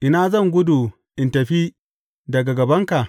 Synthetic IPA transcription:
ʔɪ˦naː˦zɐ˦˨ŋɡʷʊ˦du˨ | ʔɪ˨ntɐ˨ɸi˦ | dɐ˨ɡa˨ɡɐ˨bɐ˦ŋka˨ʔ

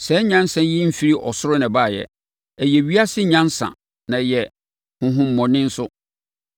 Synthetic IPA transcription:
sɛ˨˦ɲã˦nsã˨˦ji˦m̩˦fi˦ɾi˦ʔɔ˨sʊ˦ɾʊ˦nã˨baː˦˨jɛ̰˨ | æ˨jɛ˨ɥi˦a˦sɪ˦ɲã˦nsã̰˨ | nã˨jɛ˨ | hʊ̃˨ɦʊ̃˨m̩ː˦˨ɔ̃˨nɪ̃˦n̩˦sʊ˦

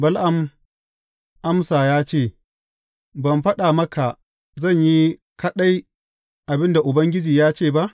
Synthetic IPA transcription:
bɐ˦lʔa˨m | ʔa˦msaː˨jaː˦t͡ʃeː˦˨ | bɐ˨mɸɐ˦ɗa˨mɐ˦ka˨ | zɐ˦˨ɲji˦ | kɐ˦ɗa˦j | ʔa˨bɪ˦nda˨ʔʊ˨bɐ˦ŋɡʲɪ˦d͡ʒiː˨jaː˦t͡ʃeː˦˨ba˦ʔ

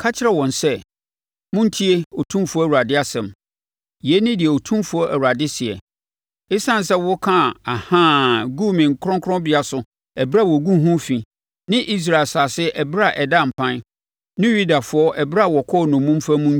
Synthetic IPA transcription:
kʰa˦t͡ɕʰɪ˦ɾɛ˨wɔ̃˨n˨sɛ˦ | mʊ̃˦n˦tʰi˦e˦o˨tʰũ˦fʊ˦ɔ˦˨wu˨ɾa˨dɪ˦a˦sɛ̃˨m | je˦nɪ̃˦dɪ˨ɛ˨o˨tʰũ˦mfʊ˨˦ɔ˦ʔæ˨wu˨ɾa˨dɪ˦sɪ˨ɛ̰˨ | ɪ˦sã˦˨n̩˨sɛ˦wɔ˦kʰã˦˨a˨hã˦ɡu˦mɪ̃˨ŋ̩˨kʰɾɔ̃˦kʰɾɔ̃˦bɪ˨a˨sʊ˨ | ɛ˨bɾa˦˨wɔ˨ɡu˦ɦũ˦fĩ˨ | nɪ̃˦ʔi˦s̬ɾa˨lsa˨sɪ˦ʔɛ˨bɾa˨ʔɛ˨dã˦˨m̩˨pʰã˦n | nɪ̃˦ju˦da˨fʊ˦ɔ˦ʔɛ˨bɾa˦˨wɔ˨kʰɔ˦˨nʊ̃˨mũ˦m˦fa˦mũ˦n˦

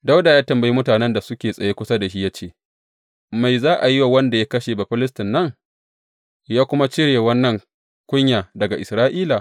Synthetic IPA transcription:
da˦wda˨jaː˦tɐ˨mbɐ˨ji˦mʊ˦taː˨nɛ˦nda˨sʊ˦kʲeː˨sʼɐ˨jeː˦kʷʊ˦sa˦da˨ʃ̬i˦jaː˦t͡ʃeː˦˨ | ma˨jzaː˦ʔa˨jɪ˦wa˨wɐ˦nda˨ja˦kɐ˦ʃeː˨ba˨ɸɪ˦lɪ˦stɪ˨nːɐ˦ŋ | jaː˦kʷʊ˦ma˦t͡ʃɪ˦ɽjeː˨wɐ˦nːɐ˨ŋ | kʷʊ˦ɲjaː˨dɐ˨ɡa˨ʔɪ˨sɾaː˦ʔiː˦la˨

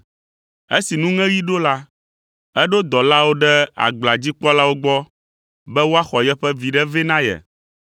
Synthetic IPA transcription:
e˦si˨nũ˦ŋɛ̃˦ji˦ɖo˦la˦ | ɛ˦ɖo˦d̪ɔ˨la˦wo˦ɖɛ˦a̰˨ɡ͡bla˨d͡ʑi˦k͡pɔ˦la˦wo˦ɡ͡bɔ˦ | bɛ˦wo˦a˦xɔ˨jɛ˦ɸɛ˦vi˨ɖɛ˦vɛ˦nã˦jɛ̰˨

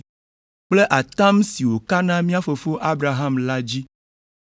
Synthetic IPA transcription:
k͡ple˦ʔa˨t̪ã˦msi˨wo˨ka˦nã˦mĩ˦a˦fo˨fo˦ʔa˦bɾa˨ɦa˦mla˦d͡ʑi˦

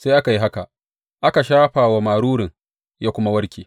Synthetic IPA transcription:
se˦ʔa˦ka˨ji˦ɦa˦ka˨ | ʔa˦ka˨ʃaː˦ɸaː˨wa˦maː˨ɽuː˦ɽɪ˨ŋ | jaː˦kʷʊ˦ma˦wɐ˦ɾkʲiː˨

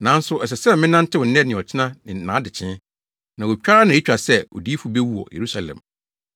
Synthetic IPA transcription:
nã˨˦n˦sʊ˦ʔɛ˨s̬ɛ˨sɛ˦m˨mɪ̃˦nã˦n̩˦tʰɪ˦wʊ˨n̩˦nɛ˦nɪ̃˨ɔ˨t͡ɕʰɪ˦nã˦nɪ̃˨nã̰ː˨˦dɪ˨t͡ɕʰɪ̃˦n | nã˨wo˨t͡ɕᶣa˦ɾa˦nã˨e˦t͡ɕᶣa˨sɛ˦˨ɔ̰˨di˦fu˨be˦wu˦ɔ̰˨jʔḛ˨ɾu˦sa˨lɛ̰̃˨m

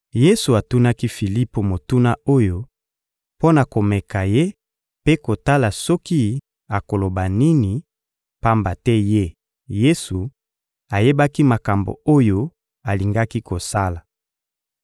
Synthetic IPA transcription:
je˦su˨a˨tu˦na˦ki˦fi˨li˦po˨mo˨tu˦na˦o˦jo˦ | po˦na˨ko˨mɛ˨ka˨je˦ | pe˦ko˨ta˦la˨sɔ˦ki˦ | a˨ko˨lo˨ba˨ni˦ni˨ | pa˦mba˨tɛ˦je˦ | je˦su˨ | a˨je˦ba˦ki˦ma˨ka˨mbo̰˨o˦jo˦ | a˨li˨ŋɡa˦ki˦ko˨sa˦la˨

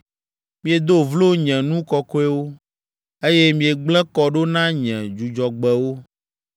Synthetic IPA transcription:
mĩ˦e˨d̪o˦vlo˦ɲɛ̃˨nũ˦kɔ˦kɔ˦ɛ˦wo˦ | e˦je˦mĩ˨e˨ɡ͡blɛ̃˦kɔ˨ɖo˦nã˦ɲɛ̃˨d͡ʒu˨d͡ʒɔ˨ɡ͡bɛ˨wo˦

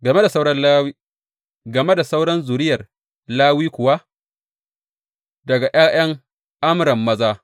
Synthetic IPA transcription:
ɡɐ˨me˦da˨sa˦wɽɐ˦li˦ | ɡɐ˨me˦da˨sa˦wɽɐ˦nzu˨ɽɪ˦jɐ˨r | laː˦wiː˦kʷʊ˨wa˦ | dɐ˨ɡa˨ʔaː˦j̰ɐ˦ŋ | ʔa˦mɾɐ˨mːɐ˦zaː˦

